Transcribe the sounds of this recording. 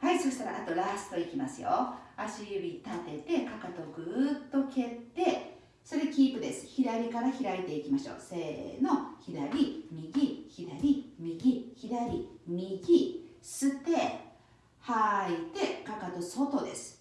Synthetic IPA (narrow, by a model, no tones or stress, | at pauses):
haiso̞ɕi̥t̪aɾa̰ʔat̪o̞ɾasɨ̥t̪o̞ikʲimasɨjo̰aɕiɯbʲit̪at̪e̞t̪e̞kakat̪o̞ɡɯ̟ːt̪ːo̞ke̞t̪ːe̞ | so̞ɾʲekʲiːpɯ̟d̪e̞sɨ̥çiɾaɾʲikaɾaçiɾait̪e̞ikʲimaɕo̞̰ːse̞̰ːno̞çid̪aɾʲimʲiɡʲiçid̪aɾʲimʲiɡʲiçid̪aɾʲimʲiɡʲisɨt̪e̞ | hait̪e̞kakat̪o̞so̞t̪o̞d̪e̞sɨ̥